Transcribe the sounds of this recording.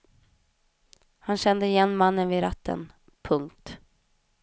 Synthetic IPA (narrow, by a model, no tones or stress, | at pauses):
hanɕɛnd̪əɪjɛnːmanːənvɪɾat̪ʰːə̰n | pʰɵŋk̚t̪